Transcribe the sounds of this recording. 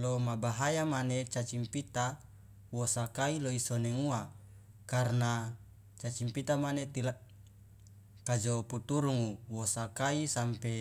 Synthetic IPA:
lomabaɦajamanet͡ʃat͡ʃimpit̪a | wosakailoisonɛŋua | karna | t͡ʃat͡ʃimpit̪amanet̪ila | kad͡ʒoput̪uɾuŋuwosakaisampe

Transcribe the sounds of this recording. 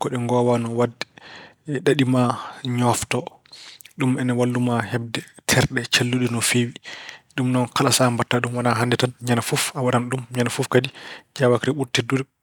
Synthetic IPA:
kɔɗɛŋɡɔwanɔwadːɛ | ɗaɗimaɲɔftɔ | ɗumɛnawalːumahɛb̚dɛtʰɛɾɗɛt͡ʃalːuɗɛnɔfewiɗumnɔnkalasambatːaɗumwanaɦandɛtanɲanafufawaɗanɗumɲanafufkadid͡ʒawakɾɛɓuɾtɛduɾɛ

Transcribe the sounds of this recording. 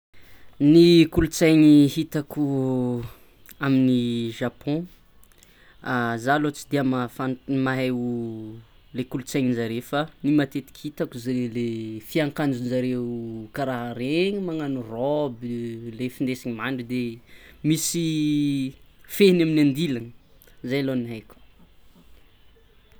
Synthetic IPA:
nikulut͡sajɲihit̪aku | aminiʒapʰɔ̃ | azalot͡sid̪iəmafanmaɦeu | lekulut͡sajɲinzaɾefanimat̪et̪i̥kʲhit̪akuzeelefiaŋkand͡ʒunzaɾeukaɾaɦaɾeɲimaŋanurɔbilefind̪esiɲimaɳɖ͡ʐid̪emisi | fenaminãnd̪ilanəzajloniɦajkʲu̥

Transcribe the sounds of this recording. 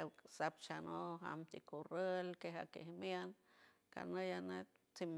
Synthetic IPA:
sap̚t͡ʃanoɦa̰mt̪ikurəlkeɦa̰kḛhmjan | ka̰nəjanet̪t͡sim

